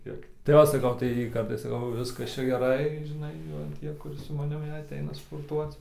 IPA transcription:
ˈkʲiɛk tɐɪ ˈoː sɐˈkɐʊ tɐɪ ˈkɐp tɐɪ ˈʋʲɪskɐs ˈt͡ʃʲɛ ɡʲɛˈrɐɪ ʒʲɪˈnɐɪ ˈʋɐ ˈtʲiɛ ˈkʊr sʊ mɐˈnʲɪm jɛɪ ɐˈtʲɛɪnɐ spoːrˈtuɔt͡s

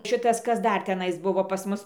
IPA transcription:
ˈʃʲɪtɐs ˈkɐs ˈdɐr tʲɛˈnɐɪs ˈbʊʋoː pɐs ˈmʊs

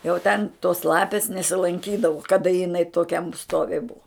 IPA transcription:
jɛʊ tʲɛn toːs ˈlˠɑːpʲeːs nʲɛsʲɪlˠɐŋʲˈkʲiːdɐʋʊ kɐˈdɐ jɪˈnɐɪ toːˈkʲɛm ˈstoːʋʲɪ ˈbʊʋoː

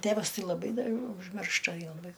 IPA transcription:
ˈtʲæʋɐs ˈtɐɪ lˠɐˈbɐɪ dɐ ɐɪ ʊʒʲˈmʲɪrʃtɐ joː lˠɐˈbɐɪ

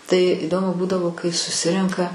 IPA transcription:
tɐɪ ɪˈdoːmʊ ˈbuːdɐʋoː kɐɪ sʊˈsʲɪrʲɛŋkɐ

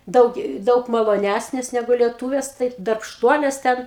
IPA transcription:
ˈdɐʊk ˈdɐʊk mɐlˠoːˈnʲæsʲnʲeːs ˈnʲæːɡʊ lʲiɛˈtuːʋʲeːs tɐɪp dɐrpʃˈtuɔlʲeːs ˈtʲɛn

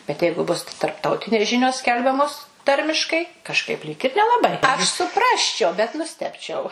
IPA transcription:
bʲɛt ˈjɛɪɡʊ ˈbʊs tɐrpˈtɐʊtʲɪnʲeːs ˈʒʲɪnʲoːs ˈsʲkʲɛlʲbʲɛmoːs ˈtɐrʲmʲɪʃkɐɪ kɐʃˈkɐɪp lʲiːk ɪr nʲɛlˠɐˈbɐɪ ɐʃ sʊˈprɑːsʲt͡ʃʲɛʊ bʲɛt nʊˈsʲtʲæːpʲt͡ʃʲɛʊ

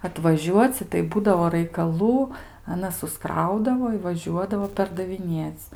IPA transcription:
ɐtʋɐˈʒʲuɔt͡sʲɪ tɐɪ ˈbuːdɐʋoː rɐɪkɐˈlˠuː ɐˈnɐs sʊsˈkrɐʊdɐʋoː ɪ ʋɐˈʒʲuɔdɐʋoː pʲɛrdɐʋʲɪˈnʲeːt͡s

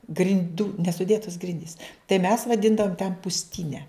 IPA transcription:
ɡrʲɪnʲˈduː nʲɛsʊˈdʲeːtoːs ˈɡrʲɪnʲdʲiːs tɐɪ mʲɛs ʋɐˈdʲɪndɐʋoːm tʲɛn pʊsʲˈtʲiːnʲɛ

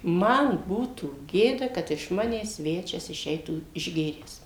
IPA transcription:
ˈmɐn ˈbuːtuː ˈɡʲeːdɐ ˈkɐt ɪʃ ˈmɑːnʲæːs ˈsʲʋʲæːt͡ʃʲɛs ɪˈʃʲɛɪtuː ɪʒʲˈɡʲeːrʲæːs

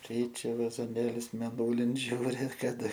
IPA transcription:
ˈkʲɛɪt͡ʃʲɛ ʋɐzoːˈnʲeːlʲʊs mʲeːˈnuːlʲɪn ˈʒʲuːrʲɪ kɐˈdɐ

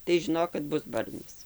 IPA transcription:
tɐɪ ʒʲɪˈnoːk kɐt ˈbʊs ˈbɐrʲnʲɪs

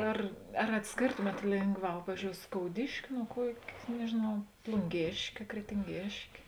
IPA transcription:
ˈɐr ɐr ɐtʲsʲˈkʲeːrtoːmʲeːt ˈlʲeːŋɡˌʋɑː ˈpɑːʋʲiːzʲd͡ʒʲoːʊ skoːʊˈdʲɪʃʲkʲɪ nuɔ ˈkuɔkʲ nʲɛʒʲeːˈnɐʊ plˠʊŋʲˈɡʲeːʃʲkʲeː krʲɛtʲɪŋʲˈɡʲeːʃʲkʲeː

